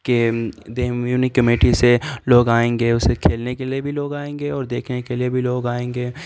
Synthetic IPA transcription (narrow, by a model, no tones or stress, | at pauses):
ked̪eːjuːnikɐmeːʈiseloːɡaːẽːŋɡeːʊsekʰeːlnekeliebʱiloːɡaːẽːŋɡeɔːɾd̪eːkʰnekeliebʱiloːɡaːẽːŋɡeː